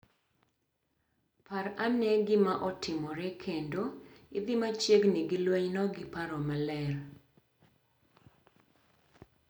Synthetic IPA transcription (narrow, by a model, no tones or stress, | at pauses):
paɾanɛɡɪmaʔɔtʰɪmɔɾɛkʰendoɪd̪ɪmat͡ʃjeɡniɡilweɲnɔɡɪpaɾɔmalɛr